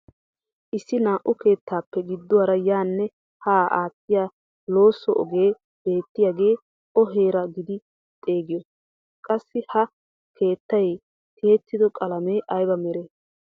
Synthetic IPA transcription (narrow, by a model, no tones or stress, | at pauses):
ʔɪsːɪnaːʔʊke̞ːt̪ʰːaːpːɛɡɪd̪ːʊwaːɾɐjaːnːɛ | haːʔaːt̪ːɪjaː | lo̞ːsːɔʔɔ̰ɡe̞ː | b̥e̞ːt̪ːɪjaːɡe̞ː | ɔɦe̞ːɾɐɡɪd̪ɪ | t̪ʼe̞ːɡɪjɔ | kʼɐsːɪhɐ | kʰe̞ːt̪ːɐj | kʰe̞ːt̪ːɪd̪ɔkʼɐlɐmeːʔɐjbɐmɛɾeː